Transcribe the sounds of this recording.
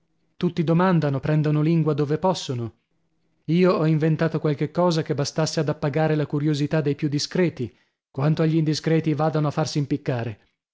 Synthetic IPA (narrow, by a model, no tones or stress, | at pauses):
t̪ut̪ːid̪omand̪anopɾɛnd̪onoliŋɡwad̪oːvepɔsːono | iːoɔiɱvent̪aːt̪okwalk̟ekːɔːzak̟ebːast̪asːead̪apːaɡaːɾelakuɾjozit̪ad̪ːejpjud̪ːiskɾɛːt̪i | kwant̪oaʎːind̪iskɾɛːt̪ivaːd̪anoafːarsimpikːaːɾe